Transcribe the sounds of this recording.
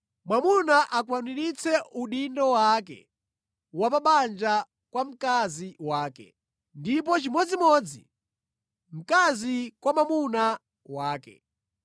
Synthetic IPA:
mwamunaʔakwaniɾit͡sʰɛuɗindɔwak̬ɛ̰ | wapaɓand͡ʒa | kwam̩kaziwaːkɛ̰ | ndip̬ɔt͡ʃimɔd͡zimɔːd͡zi | m̩kazikwamamuna | waːkɛ̰

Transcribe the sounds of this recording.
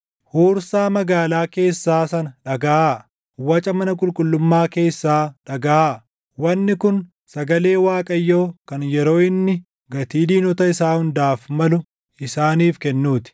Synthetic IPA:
huːɾsaːmɐɡaːlaːke̞ːsːaːsɐnɐᶑɐɡaa | wɐt͡ʃʼɐmɐnɐkʼʊlkʼʊlːʊmːaːke̞ːsːaːᶑɐɡɐaː | wɐnːɪkʊn | sɐɡɐle̞ːwaːkʼɐjːo̞ːkɐnjɛɾo̞ːɪnːɪ | ɡɐt̪iːd̪iːnɔt̪ɐɪsaːhʊnd̪aːfmɐlʊ | ɪsaːniːfkɛnːuːt̪ɪ̥

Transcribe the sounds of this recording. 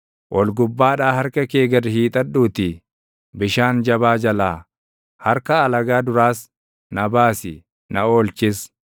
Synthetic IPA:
ʔɔlɡʊbːaːᶑaːhɐɾkɐkeːɡɐrɪhiːt̪ʼɐᶑuːt̪ɪ | bɪʃaːnd͡ʒɐβaːd͡ʒɐlaː | hɐɾkɐːlɐɡaːd̪ʊɾaːs | nɐbaːsɪ̰ | nɐoːlt͡ʃɪs

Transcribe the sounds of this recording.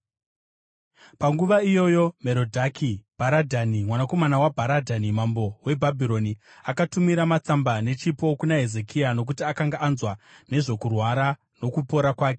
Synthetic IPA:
paŋɡuʋaijo̞jo̞me̞ɾo̞dʱakʰib̥ʱaɾadʱanimwanako̞manawabʱaɾadʱanimambo̞we̞bʱabʱiɾo̞ni | akatumiɾamat͡sambane̞t͡ʃipo̞kunaɦe̞ze̞kʰiano̞k̬utiakaŋɡaʔːnzwane̞ʐo̞kurwaɾa | no̞kupo̞ɾakwaːke

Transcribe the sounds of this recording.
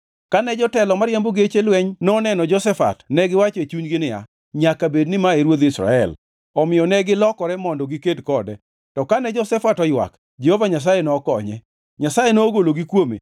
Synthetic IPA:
kanɛd͡ʒɔtɛlɔmaɾjamboɡet͡ʃelwɛɲnɔnɛnɔd͡ʒɔsɛfa̰tnɛɡɪwat͡ʃet͡ʃuɲɡɪnɪja̰ | ɲakabednɪmaeɾwot̪d̪isɾa̰ɛ̰l | ɔmɪjɔnɛɡɪlɔkɔɾɛmɔndɔɡɪkedkɔdɛ | tɔkanɛd͡ʒɔsɛfatɔjwa̰k | d͡ʒɛhovaɲas̬ajɛnɔːkɔɲɛ | ɲasajenɔːɡoloɡikwomḛ

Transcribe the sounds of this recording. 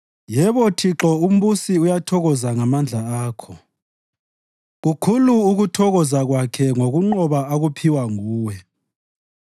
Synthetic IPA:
jɛβɔtʰiǁɔum̩βusiujatʰɔɣɔzaŋamand͡ɮʱaaːkʰɔ | ɣukʰuluːɣutʰɔɣɔzaɣwakʰɛŋoɣuŋ͡ǃɔβaaɣupʰiwaŋuːwɛ

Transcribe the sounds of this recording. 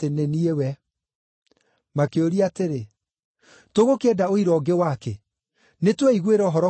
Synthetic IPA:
teneniewɛ | makeoɾiateɾe | toɣokɛdaoiɾɔːɡewakɛ | netwɛiɣweɾɔɦɔɾɔ

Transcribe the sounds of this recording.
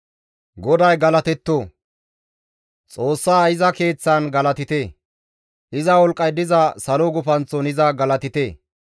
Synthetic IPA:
ɡɔd̪ɐjɡɐlɐt̪ɛt̪ːo | t͡sʼo̞ːsːaːɪzɐke̞ːt͡sːɐnɡɐlɐt̪ɪt̪eː | ʔɪzɐwɔlkʼːɐjd̪ɪzɐsɐloɡʊfɐnt͡sːɔnɪzɐɡɐlɐt̪ɪt̪eː

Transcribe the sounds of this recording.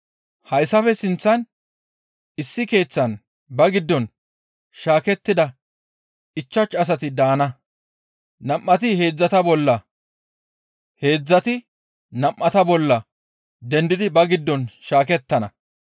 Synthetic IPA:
hɐjsːɐfɛsɪnt͡sːɐn | ɪsːɪke̞ːt͡sːɐn | bɐɡɪd̪ːɔn | ʃaːkɛt̪ːɪd̪ɐ | ɪt͡ʃːɐt͡ʃːɐs̬ɐt̪ɪd̪aːnɐ | nɐmːɐt̪ɪhe̞ːd͡zːɐt̪ɐbɔlːɐ | he̞ːd͡zːɐt̪ɪ | nɐmːɐt̪ɐbɔlːɐ | d̪ɛnd̪ɪd̪ɪbɐɡɪd̪ːɔnʃaːkɛt̪ːɐnɐ

